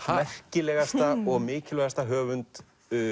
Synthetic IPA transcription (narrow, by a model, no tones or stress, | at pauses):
haɛr̥cɪlɛːɣast̪aɔɣmɪːcɪlvɛɣast̪aɦœːvʏnt̪ | ʏ